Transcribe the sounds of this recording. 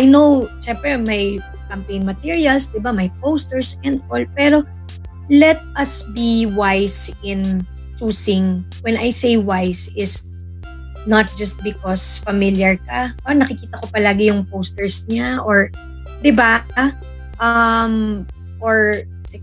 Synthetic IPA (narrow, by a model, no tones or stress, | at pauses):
ʔajnowʃɛmpɾɛmɐj | kɐmpej̃nmɐt̪iɹiɐlsd̪ɪbamɐjpowst̪ɛɹsɛ̃nd̪ʔolpɛːɾo̞ | lɛt̪̚ɐsbiwajsɪ̃n | t͡ʃuːsɪ̃ŋ | wɛnajsejwajsɪs | nɐt̪̚d͡ʒɐst̪̚bɪkɔsfɐmɪljɐɹkaʔoɹnɐkɪkiːt̪ɐko̞pɐlaːɡɪjʊŋpowst̪ɛɹsɲaʔoɹ | d̪ɪba | ʔɐm | ʔoɹ | sɛ